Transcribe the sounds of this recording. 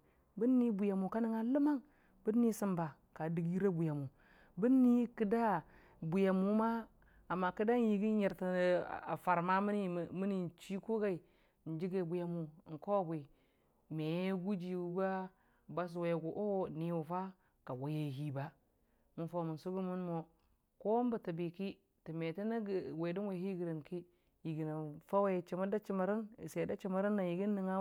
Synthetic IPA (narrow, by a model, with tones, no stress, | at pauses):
bi˦nːi˦bu˨ja˨mu˨ka˦ni˦ŋa˨lə˦ma˦ŋ | bɨ˦nːi˦sɨ˦˨mba˨ | ka˨di˨ɡi˦ɾa˦bu˨ja˨mu˨ | bi˦nːi˦ki˦da˦ | bu˨ja˨mu˦maː˦˨ | mːa˨ki˦da˦n˦ji˨ɡi˦ɲe˨ɾtḭ˨a̰˨fa˨ɾma˦m˦ni˦˨mi˦ni˨n˨t͡ʃi˦ko˦ɡa˦i˨ | n̩˨˦d͡ʒi˦ɡe˨bu˨ja˨mu˨ŋ̩˨ko˦˨bʷe˨ | me˨e˦ɡu˦d͡ʒi˨u˦ɡa˦ | ba˦s̬we˨˦˨ɡu˨ʔo˦˨ni˨wu˨fa˦ | ka˨wo˨je˨ɦi˨˦ba˦ | mu˨nfo˦˨mu˨nsu˦ɡu˦mu˦nmo˨ | ko˦m˦ba˨ti˨bi˨ki˦ | ti˨me˨ti˦na˦ɡwe˨di˦nwe˨hi˦ɡi˨ɾi˨nki˦ | ji˨ɡi˨na˨fa˦we˦˨t͡ʃi˨ma˦da˦t͡ʃi˦ma˨ɾi˦n˨se˨da˦t͡ʃi˦ma˨ɾi˦nːa˨ji˨ɡi˦nː˦i˨ŋa˦